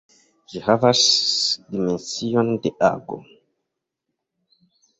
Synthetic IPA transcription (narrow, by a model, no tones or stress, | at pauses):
ʒihavasdimensiondeʔa̰ɡo̰